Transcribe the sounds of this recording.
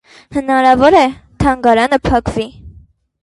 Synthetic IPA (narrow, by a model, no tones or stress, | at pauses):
hənɑɾɑvɔɾɛt̪ʰɑŋɡɑɾɑnəpʰɑkvi